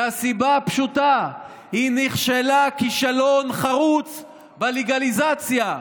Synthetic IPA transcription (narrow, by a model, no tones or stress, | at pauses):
asibapʃuta | hiniχʃelakiʃalo̞nχaʁut͡s | baleɡalizat͡sja